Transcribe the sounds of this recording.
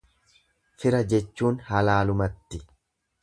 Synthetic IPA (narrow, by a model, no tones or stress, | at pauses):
fɪɾɐd͡ʒɛt͡ʃːuːnhɐlaːlʊmɐt̪ːɪ